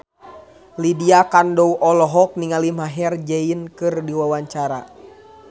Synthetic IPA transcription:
lidiakandɔuʔɔlɔɦɔk̚niŋalimaɦɛrd͡ʒɛinkɨrdiwawaɲt͡ʃaɾa̰

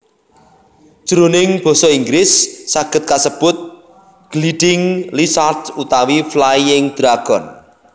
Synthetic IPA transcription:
ʒ̥əɾonɪŋb̥ɔ̤sɔiŋɡɾɪsːaɡ̥ə̤t̪̚kasəb̥ʊt̪̚ | ɡ̥liɖ̥ɪŋlisartut̪awiflajɪŋd̪̥ɾaɡ̥ɔn

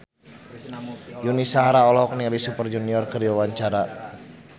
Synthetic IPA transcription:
junisaɦaɾaɔlɔhɔk̚nilisupərd͡ʒuniɔrkəriwawaɲt͡ʃaɾa

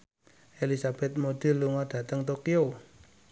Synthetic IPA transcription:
elisab̥ɛt̪̚mod̪̥ɪ̤lːuŋɔd̥ä̤t̪əŋt̪okio

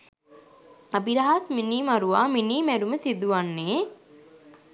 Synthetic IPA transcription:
ɐbiɾaɦasminiːmaɾuʋaːminiːmæɾuməsid̪uʋanːeː

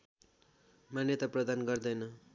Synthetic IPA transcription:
manjʌt̪ʌprʌd̪anɡʌrd̪ʌjnʌ

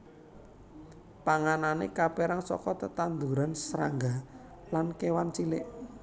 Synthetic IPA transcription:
paŋananḛkapeɾaŋsɔ̰kɔt̪ət̪and̪uɾansɾa̰ŋɡa | lankewant͡ʃilɪʔ

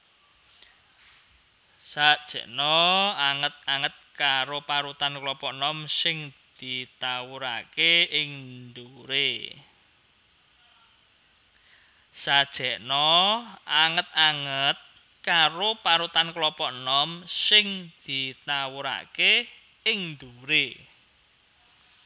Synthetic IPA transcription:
sad̥ʒ̥ɛ̤ʔnɔaŋət̪̚aŋət̪̚kaɾopaɾut̪anklɔpɔʔnɔmsɪŋd̪̥it̪awuɾa̰keɪŋd̪uɾe | sad̥ʒ̥ɛ̤ʔnɔaŋət̪̚aŋət̪̚ | kaɾopaɾut̪anklɔpɔʔnɔmsɪŋd̪̥i̤t̪awuɾa̰ke | ɪŋnd̪uɾe

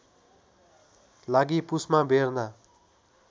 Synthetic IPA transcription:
laɡipusmabʱerna

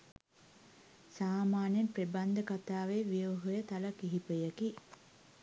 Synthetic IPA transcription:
saːmaːnjenpreband̪əkat̪aːʋeʋioɦojət̪aləkiɦipəjəki

